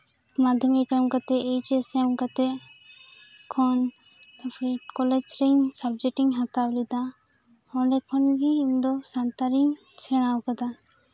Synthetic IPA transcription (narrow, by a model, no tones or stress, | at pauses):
mad̪ʱəmikəmkat̪ɛʔːjt͡ʃɛsɛmkat̪ɛ | kʰɔn | pʰɾikɔlɛd͡ʒɾeɲsabd͡ʒɛʈiŋɦat̪awlid̪a | ɔ̃ɳɖɛkʰɔnɡiind̪ɔsant̪aɾiɲ | sɛɽ̃awkad̪a